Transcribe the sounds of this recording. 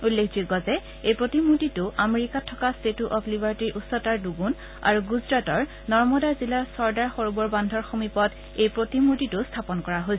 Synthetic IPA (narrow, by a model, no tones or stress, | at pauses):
ulːekʰziɡɔzɛ | ejpɹotimuɹtitʊʔameɹikatʰːɔkastetuʔɔpʰlibaɹtiɹʔusɔtaɹduɡun | a̰ɹuɡuzɹatɔɹ | nɔɹmɔdaɹzilasɔɹdaɹxoɹubɔɹbandʱɔɹxomipɔt | ejpɹotimuɹtitʊstʰapɔnkɔɹaɦojsɛ